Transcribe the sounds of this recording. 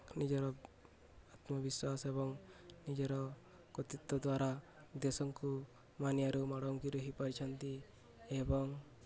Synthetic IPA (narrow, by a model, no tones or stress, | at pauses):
nid͡ʒɔɾɔ | at̪mɔbiswasebɔŋnid͡ʒɔɾɔ | kɔt̪it̪ːɔd̪waɾad̪esɔŋku | maniaɾumaɽɔŋkiɾɔɦipaɾit͡ʃʰant̪i | ebɔŋ